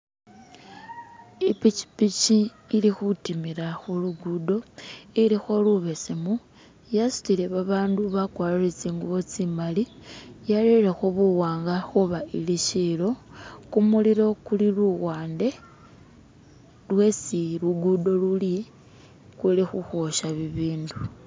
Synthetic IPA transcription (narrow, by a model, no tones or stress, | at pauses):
ipit͡ʃi̥pit͡ʃiː | lixutimiɾaxuluɡudo̞ilixo̞luβesemu | jasu̥t͡sile̞βaβaːnduβakwaleɾet͡siːŋɡuβot͡simalijaleɾexoβuwaːŋɡaxuβailiʃilo̞kumuliɾokuliluɣwaːnde̞ | lwe̞siluɡudo̞luli | kwulixuxoʃaβiβiːndu